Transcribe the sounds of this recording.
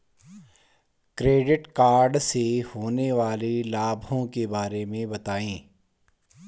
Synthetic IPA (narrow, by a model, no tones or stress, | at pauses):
kɾeːɖɪʈkaːɾɖsehoːneʋaːlilaːbʱõkebaːɾemẽbɐt̪aːẽː